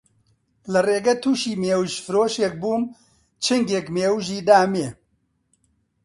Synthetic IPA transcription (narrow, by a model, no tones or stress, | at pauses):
lɐreːɡɐt̪ʰuːʃiːmeːwʃfɨɾoːʃeːk̚buːm | t͡ʃʰɨŋɡekmeːwʒiːd̪aːmeː